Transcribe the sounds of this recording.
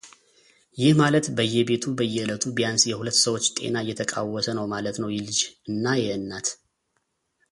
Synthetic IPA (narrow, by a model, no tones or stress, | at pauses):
jɪhmalət̪bəjːɛbe̞t̪ʰubəjːɛɨlət̪ʰubijansjɛhulət̪ːsəwo̞t͡ʃːt̪ʼe̞̰naɨjːɛt̪ʰəkʼa̰wːɔsənəwmalət̪nəwjɪlɨd͡ʒɨnːajɛɨnːat̪